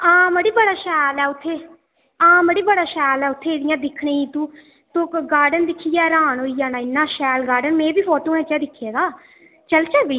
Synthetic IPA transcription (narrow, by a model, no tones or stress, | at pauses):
ãːməɽiːbəɽaːʃɛːlɛːʊt̪ʰːeː | ãːməɽiːbəɽaːʃɛːlɛːʊt̪ʰːeːɽɪjãːd̪ɪkʰɳẽːiːt̪ũː | t̪õːɡaːɖənd̪ɪkʰːiːjɛːɾãːnɦoːiːjaːnaːɪnːãːʃɛːlɡaːɾɖənmẽːbiːpʰoːʈoːɛ̃ːt͡ʃɛːd̪ɪkʰːeːd̪aː | t͡ʃəlt͡ʃəlʋiː